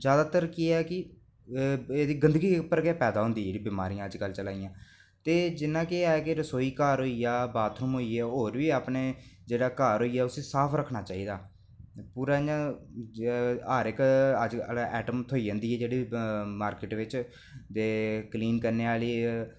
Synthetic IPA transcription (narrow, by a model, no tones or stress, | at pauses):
zjaːd̪aːt̪əɾkɪɛːkɪ | eːd̪iːɡənd̪əɡiːpəɾɡɛːpɛːd̪aːɦʊ̃nd̪iːd͡ʒeːɽiːbɪmaːɾijãːəd͡ʒkəlt͡ʃəlaːijãː | t̪eːd͡ʒɪnãːkɪaːɛːkeɾəsoːiːkaːɾɦoːiaːbaːt̪ʰnũmɦoːiɛːɦoːɾʋiːaːpneːd͡ʒeːɽaːkaːɾɦoːiːaːʊsẽːsaːpʰɾəkʰːnaːt͡ʃaːiːd̪aː | puːɾaːã | aːɾɪkəd͡ʒəlɛːʈəmt̪ʰoːiːə̃ːnd̪iːɛːd͡ʒeːɽiːmaːɾkɪʈʋɪt͡ʃ | d̪eːkliːnkəɾneːaːliː